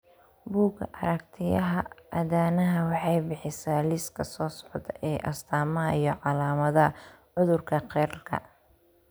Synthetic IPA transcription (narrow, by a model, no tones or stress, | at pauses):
buːɡɐ̰ʔɐɾɐkt̪ʰɪjɐɦɐʔɐðaːnɐɦɐwɑħɑjbɪħɪsaːlɪskʰɐsɔːsɔ̥ʕd̪ɐʔɛːʔɐst̪ʰaːmɐɐijɔʕɑlaːmɐðɐ | ʕʊðʊrkʰɐqɛːɾkʰɐ̰